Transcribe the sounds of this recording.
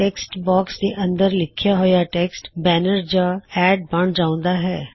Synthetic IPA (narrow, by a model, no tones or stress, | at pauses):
ʈeːksʈbɔːksd̪eʔɐ̃nd̪əɾlɪkʰjaɦojaʈeːksʈbɛːnəɾd͡ʒaɛːɖ̚bɐɳ̃d͡ʒaːʊ̃nd̪aɦɛː